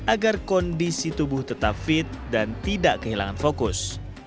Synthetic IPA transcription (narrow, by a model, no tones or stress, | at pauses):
ʔaɡarkɔndisit̪ubʊht̪ət̪apfɪt̪̚dant̪idaʔkəɦila̰ŋanfokʊs